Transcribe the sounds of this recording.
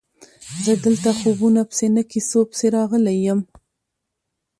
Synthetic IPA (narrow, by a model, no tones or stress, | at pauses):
zəd̪əlt̪axobunapə̥senəkisopə̥seɾɑɣəlejəm